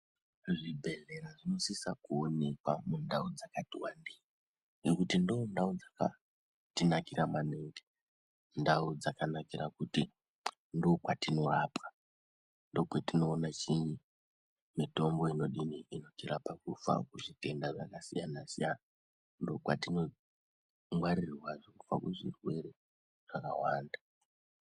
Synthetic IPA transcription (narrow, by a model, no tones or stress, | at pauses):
ʐibʱe̞ɮe̞ɾaʐino̞sisakuone̞kwamundaud͡zakatiwandi | ŋekutindondaud͡zaka̰ | tinakiramaneːŋɡe | ndaud͡zakanakiɾakuti | ndo̞kwatino̞raːpa | ndo̞kwetino̞ːnat͡ʃiɲi | mito̞mbo̞ino̞ɗiniino̞tiɾapakufa̰kuʐite̞ndaʐakasijanasijana | ndo̞kwa̰tino̞ | mwaɾirwaʐokufa̰kuʐḭrwe̞ɾe̞ | ʐ̥akawaːnda